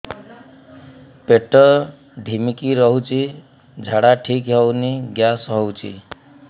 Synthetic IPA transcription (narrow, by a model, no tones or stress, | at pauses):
peʈːʌ | ɖʱimikiɾʌɦũt͡ʃi | d͡zʱaɽaʈʰikɦʌwniɡjasɦʌwt͡sʰḭ